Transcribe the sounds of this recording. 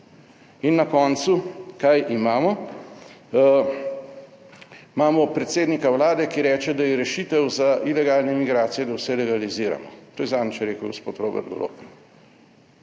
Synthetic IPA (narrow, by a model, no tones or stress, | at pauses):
inːakɔnt̪sukajʔimaːmɔ | maːmɔpɾɛt̪seːd̪nikawlaːd̪ɛkiɾɛːt͡ʃɛd̪ajiɾɛʃiːt̪ɛwzaʔilɛɡaːlnɛmiɡɾaːt̪sijɛd̪awsɛlɛɡaliziːɾa̰mɔt̪oːjɛzaːnt͡ʃɛɾeːkəwɡospoːt̪ɾoːbɛ̰ɾd̪ɡo̰lo̰ːk